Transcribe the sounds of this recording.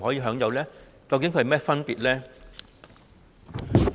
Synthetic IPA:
hɔː˨˥jiː˧ɦœː˨˥ŋjɐ˨˧wlɛː˥ | kɐ˨˧wkɪ˨˦ŋkʰhmɛː˥fɐ˥npiː˨t̚lɛː˥

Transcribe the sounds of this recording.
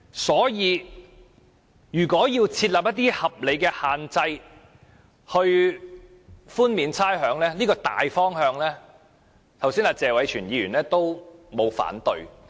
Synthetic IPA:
sɔː˨˥jiː˨˧ | jyː˨˩kʷɔː˨˥jiː˧wt͡sʰiː˧t̚laː˨p̚jɐ˥t̪̬iː˥hɐ˨p̚le˨˧jkɛː˧haː˨nt͡sɐ˧j | hɵ˧ɥ | fuː˥nmiː˨˧nt͡sʰaː˥jɦœː˨˥ŋlɛː˥liː˥kɔː˧t̪a̰ː˨jfɔː˥ŋhœː˧ŋlɛː˥ | t̪ʰɐ˨˩wsiː˥naː˧t͡sɛː˨˧wɐ˨˥jt͡ʃʰyː˨˩njiː˨˧jyː˨˩nlɛː˥t̪o˥wmo˨˧wfa̰ː˨˥nt̪ɵ˨˧ɥ

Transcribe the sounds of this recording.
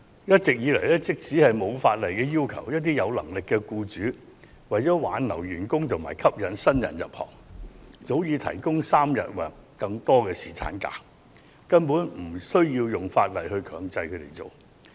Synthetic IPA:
jɐ˥t̚t͡sɪ˨k̚jiː˨˧lɐ˨˩jlɛ˥t͡sɪ˥k̚t͡siː˨˥hɐ˨jmo˨˧wfaː˧t̚lɐ˨˩jkɛː˧jiː˥wkʰɐ˨˩wjɐ˥t̚t̪̬iː˥jɐ˨˧wlɐ̰˨˩ŋlɪ˨kːɛ˧kuː˧t͡ʃyː˨˥ | wɐ˨jt͡sɔː˨˥waː˨˧nlɐ˨˩wjyː˨˩nkʊ˥ŋt̪ʰʊ˨˩ma̰ː˨˩jkʰɐ˥p̚jɐ˨˥nsɐ˥njɐ̰˨˩njɐ̰˨p̚hɔ̰ː˨˩ŋt͡so˨˥wjiː˨˧t̪ʰɐ̰˨˩jkʊ˥ŋsaː˥mjɐ̰˨t̚wɛː˨kːɐ˧ŋt̪ɔː˥kɛː˧siː˨˩t͡sʰa̰ː˨˥nka̰ː˧ | kɐ˥npuː˨˥nm̩˨˩sɵ˥ɥjiː˧wjʊ˨ŋfaː˧t̚lɐ˨jhɵ˧ɥkʰœː˨˧ŋt͡sɐ˧jkʰɵ˨˧ɥt̪e˨˩jt͡so˨w

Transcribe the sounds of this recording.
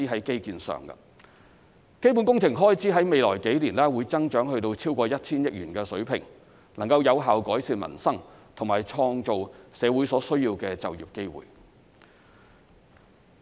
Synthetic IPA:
iː˥ɦɐ˨˥jke˥jkiː˨˧nsœ̰ː˨ŋɡɐ̰˧ | ke˥jp̬uː˨˥nkʊ˥ŋt͡sʰɪ˨˩ŋɦɔː˥jt͡siː˨˥ɦɐ˨˥jme˨jlɔː˨˩jke˨˥jliː˨˩nlɛː˥wuː˨˧jt͡sɐ˥ŋt͡ʃœː˨˥ŋhɵ˧ɥt̪o˧wt͡sʰiː˥wkʷɔː˧jɐ˥t̚t͡sʰiː˥njɪ˥k̚ɥyː˨˩nkɛː˧sɵ˨˥ɥpʰɪ˨˩ŋ | lɐ˨˩ŋkɐ˧wjɐ˨˧wɦaː˨wkɔː˨˥jsiː˧nmɐ̰˨˩nsɐ˥ŋt̪ʰʊ˨˩ŋmaː˨jt͡ʃʰɔː˧ŋt͡ʃo˨wsɛː˨˧wu˨˥jsɔː˨˥sɵ˥ɥjiː˧wkɛː˧t͡sɐ˨wjiː˨p̚ke˥jwṵː˨j

